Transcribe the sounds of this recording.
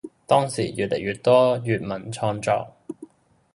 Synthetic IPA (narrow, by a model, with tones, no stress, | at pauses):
t̪ɔː˥ŋsiː˨˩jy̰ː˨t̚lʔe˨˩jɥyː˨˩t̚t̪ɔː˥jyː˨˧t̚mɐ˨˩nt͡ʃʰɔː˧nt͡sɔ̰ː˧˥k̚